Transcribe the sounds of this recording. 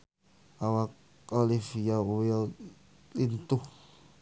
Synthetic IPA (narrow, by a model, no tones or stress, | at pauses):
awak̚ | alifijawia | lint̪uh